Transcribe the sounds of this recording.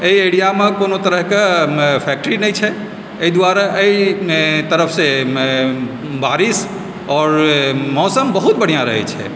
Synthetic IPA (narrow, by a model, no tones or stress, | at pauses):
ejejɽijamekonot̪əɾəɦkepʰɛk̚ʈəɾinɛjt͡ʃʰɛ | əid̪waɾaʔeit̪əɾəpʰse | baɾis | ɔːɾmɔsəmbəɦut̪̚bəɽ̤ijaɾə̰ɦɛ̰t͡ʃʰɛ̰